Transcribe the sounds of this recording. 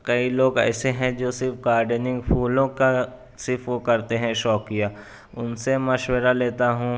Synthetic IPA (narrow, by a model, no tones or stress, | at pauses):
kɐiloːɡɛ̰ːseɦɛ̃d͡ʒoːsɪɾfɡaːɾɖənɪ̃ŋɡpʰuːlõka | sɪɾfʋokɐɾt̪eɦɛ̃ʃɔːkija | ʊnsemɐʃwəɾaleːt̪aɦũ